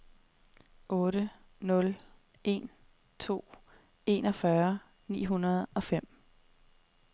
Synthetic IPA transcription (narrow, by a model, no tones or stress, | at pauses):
ʔɔ̽ːɾə | nɔ̽l | ʔe̝n | t͡sʰo̝̰ː | e̝nɒ̽fɶɐ | nḭːɦunɐð̞ˠɒ̽fem̰